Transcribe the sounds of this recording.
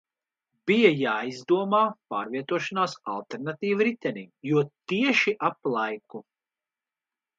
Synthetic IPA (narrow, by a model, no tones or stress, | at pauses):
bijajaːizd̪uɔmaːpaːɾviɛt̪uɔʃanaːsa̰lˠt̪eɾnat̪iːvɾit̪ɛnḭːjuɔt̪iɛʃiʔaplˠajku